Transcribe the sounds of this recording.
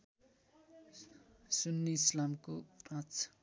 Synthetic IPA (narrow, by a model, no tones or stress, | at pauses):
sunːislamkorat͡sʰ